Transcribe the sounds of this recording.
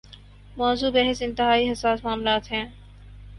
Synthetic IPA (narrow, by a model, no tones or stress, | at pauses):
mɔːzuːbɛɦɪsɪ̃nt̪ɪɦaːiɦɐsaːsmaːmlaːt̪ɦɛ̃ː